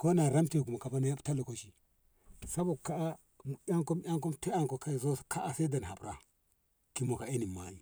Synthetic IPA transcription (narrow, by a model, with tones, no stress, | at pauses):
ko˦na˨ɾa˦mti˦˨ku˨ma˨ka˨ba˦na˦ja˦bta˦lo˨ko˦ʃi˨ | sa˦bo˨ka˦a˦˨ | a˦ŋko˦mja˦ŋko˦mte˦a˦ŋko˨ka˦˨zo˦skʰa˦ʔa˨sa˦da˨n˨a˨bɾa̰˦ | ki˨mo˨ka˨e˦ni˨ma˨ji˦